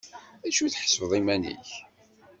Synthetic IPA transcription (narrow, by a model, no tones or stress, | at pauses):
æʃuθħə̥sfðˤimænḭç